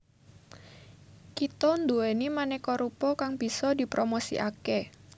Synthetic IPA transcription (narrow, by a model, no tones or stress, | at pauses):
kit̪ɔnd̪uenimanɛkɔɾupɔkaŋbisɔdipɾomosḭʔakɛ